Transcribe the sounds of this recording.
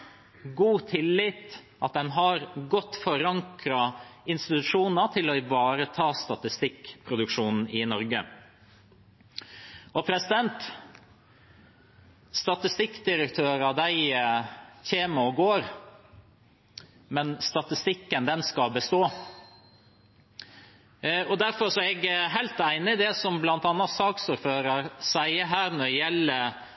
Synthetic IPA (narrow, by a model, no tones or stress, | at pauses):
ɡuːt̪ʰɪlːɪt̪ | ʔɑt̪̚d̪ɛnɦɑɾɡɔt̪ːfɔɾɑŋkɾɑɪnst̪ɪt̪ʉʂuːnət̪ʰɪlɔɪʋɑːɾət̪ʰɑːst̪ɑt̪ɪst̪ɪkpʰɾʊd̪ʉkʂuːnn̩ɪnɔɾɡə | ɔpʰɾɛsɪd̪ɛnt̪ | st̪ɑt̪ɪst̪ɪkːd̪ɪɾəkt̪ʰøːɾɑd̪æɪ | çeːməɔɡoːɾ | mɛnst̪ɑt̪ɪst̪ɪkːənd̪ɛnskɑbəst̪oː | ɔd̪æɾfɔɾʂɔɛɡɦæɪlt̪æɪnɪd̪ɛsɔmblɑnt̪ɑnːɑtsɑːksʊɾføːɾɑɾsæɪəɦæːɾnɔɾɖɛjɛlːə